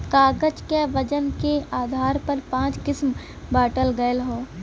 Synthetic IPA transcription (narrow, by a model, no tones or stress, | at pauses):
kaːɡəd͡ʒkeʋəd͡ʒənkeaːd̪ʱaːɾpəɾpãːt͡ʃkɪsm | baːʈəlɡəjəlɦoː